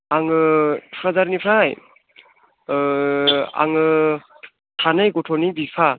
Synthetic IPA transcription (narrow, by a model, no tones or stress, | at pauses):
aŋɯɾazaɾnipʰɾaj | a̰ŋɯ | tʰanɯjɡɔtʰɔnibipʰa